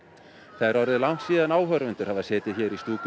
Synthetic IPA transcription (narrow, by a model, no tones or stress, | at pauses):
θaðɾɔɾðɪlawŋ̥k̪siːðanaːwɦœɾvɪnt̪ʏɾ̥havasɛːt̪ɪðçɛːɾist̪uːk